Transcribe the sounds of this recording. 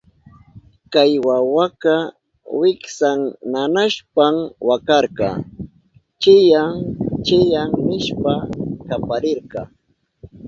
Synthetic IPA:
kajwawakɑ | wɪksaŋnanaʃpamwakɑɾqkɑ̰ | t͡ʃɪjaŋt͡ʃɪjaŋnɪʃpakapaɾɪɾqɑː

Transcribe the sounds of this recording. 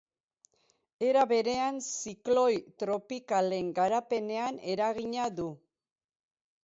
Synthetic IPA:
e̞ɾaβe̞ɾe̞ansiklo̞jt̪ɾo̞pikale̞ŋɡaɾape̞ne̞ane̞ɾaɣ̞iɲaðu

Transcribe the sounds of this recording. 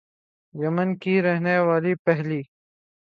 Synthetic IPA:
jɐmənkiɾɐɦnewaːlipɐɦliː

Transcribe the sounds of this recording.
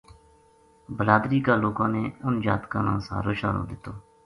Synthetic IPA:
bəlaːd̪ɾiːkaːloːkãːneːʊnd͡ʒaːt̪kãːnã̰ːsa̰ːɾoːʃaːɾo̰ːd̪ɪt̪ːoː

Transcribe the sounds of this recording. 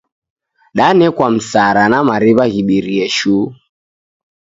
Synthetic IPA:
ɗanɛkwam̩saɾanamaɾiβaɣiɓiɾiɛʃu

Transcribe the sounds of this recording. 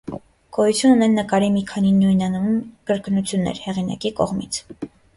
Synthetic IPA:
kɔjut͡sʰjununɛnːəkɑɾimikʰɑninujnɑnunkəɾknut͡sʰjunːɛ̰ɾhɛʁinɑ̰kikɔ̰ʁmit͡sʰ

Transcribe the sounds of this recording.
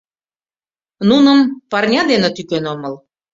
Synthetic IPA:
nunəmpɑrnʲɑd̪enĕt̪ykenoməl

